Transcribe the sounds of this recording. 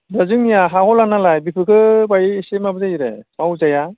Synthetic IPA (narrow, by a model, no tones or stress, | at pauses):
dazɯŋnijaɦahɔlanalajbipʰɯkʰɯbajisemabɯzajɾḛawzaja